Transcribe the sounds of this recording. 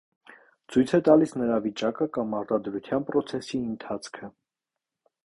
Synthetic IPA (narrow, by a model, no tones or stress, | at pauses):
t͡sʰujt͡sʰɛt̪ɑlisnəɾɑvit͡ʃɑkəkɑmɑɾt̪ɑd̪ɾut̪ʰjɑnpɾɔt͡sʰɛsiənt̪ʰɑt͡sʰkʰə